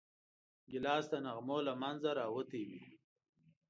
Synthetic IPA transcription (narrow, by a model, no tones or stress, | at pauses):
ɡɪlɑːst̪anaɣmolamanzaɾɑːwət̪ewi